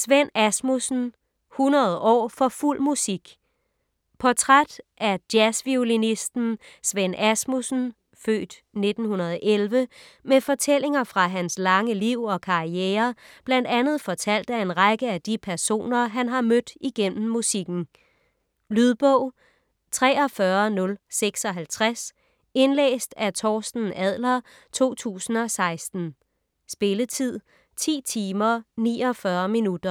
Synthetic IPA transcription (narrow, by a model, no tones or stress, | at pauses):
sʋenæsmusn̩ | hunɐð̞̩ˠʔɒ̰ːfɒ̽ful̰musiɡ̥ | pʰɒ̽t͡sʰʁad̥ʔæɐd̥jæsʋiulinisd̥n̩sʋen̰æsmusn̩ | fø̰ːd̥ | ne̝d̥n̩hunɐð̞ˠʔelʋəmefɒ̽t͡sʰel̰e̝ŋɐfʁɑ̈ɦænslɑ̈ŋəliʊ̰ɒ̽kʰɑ̈ieːɐb̥læn̰d̥ænð̞̩ˠfɒ̽t͡sʰæl̰d̥æe̝nʁaɡ̥əæd̥ipʰæɐso̝̰ːnɐɦænɦɑ̈mød̥iɡ̥en̰m̩ːusiɡ̥n̩ | lyðˠb̥ɔʊ̰ | t͡sʰʁɛ̰ːɒ̽fɶɐnɔ̽lseɡ̥sɒ̽ɦælt͡sʰʁas | e̝nlḛːsd̥æt͡sʰɒːsd̥n̩æð̰ˠlɐ | t͡sʰo̝̰ːt͡sʰṵːsn̩ɒ̽sɑ̈ɪsd̥n̩ | sb̥e̝lət͡sʰið̞̰ˠ | t͡sʰḭːt͡sʰiːmɐnḭːɒ̽fɶɐminud̥ɐ